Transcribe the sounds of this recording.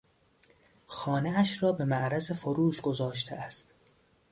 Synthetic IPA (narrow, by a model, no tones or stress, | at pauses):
xɒːneæʃrɒːbe̞mæʔɾæzefoɾuːʃɡ̥o̞zɒːʃ̬t̪ʰeæst̪